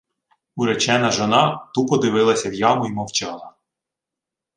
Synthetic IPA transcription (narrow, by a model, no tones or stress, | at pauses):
uɾɛt͡ʃɛnɐʒɔnɑt̪upɔd̪ɪʋɪlˠɐsʲɐwjɑmʊimɔwt͡ʃɑlˠɐ